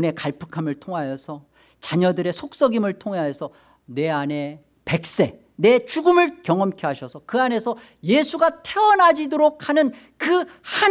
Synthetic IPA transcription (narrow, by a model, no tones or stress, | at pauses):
ne̞kaɭpʰɯ̥kʰamɯɭtʰoŋɦajʌsʰʌ | t͡ɕaɲʌdɯɾe̞sʰok̚s͈ʌɡimɯɭtʰoŋaesʰʌ | ne̞ane̞ | pe̞k̚s͈e | ne̞t͡ɕuɡɯmɯɭkjʌŋʌmkʰjʌɦaɕʰʌsʰʌkɯane̞sʰʌ | jesʰuɡatʰe̞ʌnad͡ʑidoɾokʰanɯn | kɯha